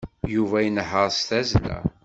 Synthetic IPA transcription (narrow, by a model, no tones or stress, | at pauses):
juvæjənħəɾˤst̪æzlæ̰